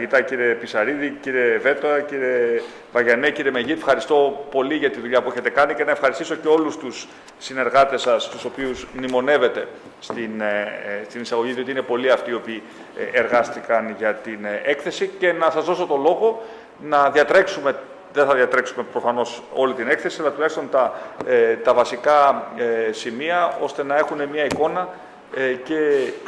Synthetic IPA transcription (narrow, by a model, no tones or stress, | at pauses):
ʝit̪ɐciɾe̞pisɐɾiðiciɾe̞ve̞t̪oɐciɾe̞ | vɐʝɐneciɾeme̞ʝit̪fxɐɾist̪o̞po̞liʝɐt̪iðuʎɐpue̞çe̞t̪e̞kɐnice̞nɐefxɐɾist̪iso̞ce̞o̞lust̪usː | ine̞ɾɣɐt̪e̞sɐst̪uso̞piuzmnimo̞ne̞ve̞t̪e̞ | st̪inst̪inisɐɣo̞ʝiðio̞t̪iinepo̞liɐft̪io̞piː | eɾɣɐst̪ikɐnʝɐt̪ine̞kθe̞sice̞nɐsɐzðo̞so̞t̪o̞lo̞ɣo̞ | nɐðiɐt̪ɾe̞ksume̞ | ðeθɐðiɐt̪ɾe̞ksume̞pɾo̞fɐno̞so̞lit̪ine̞kθe̞siɐlɐt̪ulɐçist̪o̞nt̪ɐ | t̪ɐvɐsikɐ | simiɐo̞st̪enɐe̞xune̞mɲɐiko̞nɐ | ce̞